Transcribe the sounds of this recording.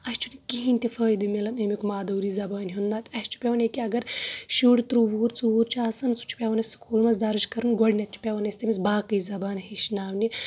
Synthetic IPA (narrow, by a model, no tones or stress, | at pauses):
ɐʃt͡ʃʰunikiɦinʲt̪ʲifɐːjd̪ɨmelɐnemʲikmaːd̪ɐːɾiːzɐbaːnʲɦund̪aːt̪ʲɐʃt͡ʃʰu̥pʲeʋɐnekiɐɡɐɾʃuːɽt̪ɾuʋuːɾt͡suuːɾt͡ʃʰaːsɐnsu̥t͡ʃʰu̥pʲeʋɐnɐssu̥kʰuːlmɐsd̪aːɾud͡ʒkɐɾunɡɔɽnʲɐt̪̚t͡ʃʰu̥pʲeʋɐnɐsʲt̪imis̬baːkɨjzɐbaːnɦiʃnaːwni